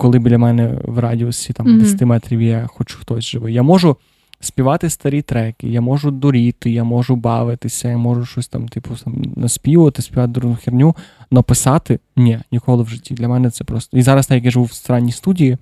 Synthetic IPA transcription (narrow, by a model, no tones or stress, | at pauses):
kɔlˠɪbdlʲɐmɛnɛ̰ʋrɑdʲiɔsʲit̪ɑmd̪esʲɐt̪ɪmɛt̪ɾʲiʋʲijaxɔt͡ʃu̥xt̪ɔsʲʒɪʋɪjamɔʒʊ | sʲpʲiʋɑt̪ɪst̪ɐɾʲit̪ɾɛkɪjamɔʒʊd̪ʊɾʲit̪ɪjamɔʒʊbɑʋɪt̪ɪsʲɐjamɔʒʊʃɔsʲt̪ɑmt̪ipʊt̪ɑmnɐsʲpʲiʋɐt̪ɪsʲpʲiʋɑt̪ɪd̪ɾuʊxʲirnʲunɔpɪsɑt̪ɪnʲɛnʲikɔlˠɪwʒɪtʲːid̪lʲɐmɛnɛt̪sɛpɾɔst̪ɔizɑɾɐst̪ɛjɐkjaʒɪʋuwst̪ɾɑnʲːijst̪udʲiji